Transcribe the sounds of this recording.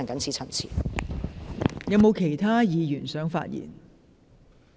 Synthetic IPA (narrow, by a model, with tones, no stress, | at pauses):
ŋkɐ˨˥nsʰiː˨˥t͡sʰɐ˨˩nt͡sʰḭː˨˩ | jɐ˨˧wmo˨˧wkʰe˨˩jt̪ʰaː˥jiː˨˧jyː˨˩nsœː˨˥ŋfa̰ː˧t̚jḭː˨˩n